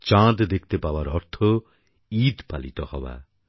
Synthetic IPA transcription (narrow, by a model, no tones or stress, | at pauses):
t͡ɕãd̪d̪ek̚ʰt̪epaoaɾɔɾt̪ʰo | id̪palit̪ɔhɔ̰ba̰